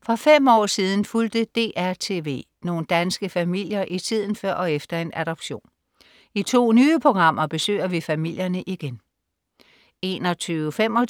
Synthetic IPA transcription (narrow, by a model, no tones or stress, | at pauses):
fʁɒfem̰ɒ̰ːsiːð̞ˠn̩fuld̥əd̥e̝̰ːʔæɐt͡sʰe̝̰ːʋe̝̰ː | no̝ːn̩d̥ænsɡ̥əfæmil̰jɐʔit͡sʰið̞̰ˠn̩fɶɐ̰ɒ̽efd̥ɐe̝næɾ̥ɒb̥ɕo̝̰ːn | it͡sʰo̝̰ːnyːəpʰo̝ɡ̥ʁɑ̈m̰ɐb̥e̝sø̰ɪɐʋifæmil̰jɐnəʔiɡ̥en | e̝ːnɒt͡sʰyːʊəfem̰ɒ